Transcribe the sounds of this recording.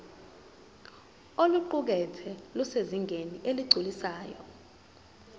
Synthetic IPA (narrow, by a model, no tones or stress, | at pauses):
oluǃuk̬ɛtʰɛluseziŋʱeniʔeliɡ͡ǀʱulisaːjɔ̰